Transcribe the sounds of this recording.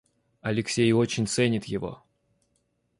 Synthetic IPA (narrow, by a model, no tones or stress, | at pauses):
ɐlʲɪksʲejo̞t͡ɕɪnʲt̪sɛnʲɪt̪jɪvo̞̰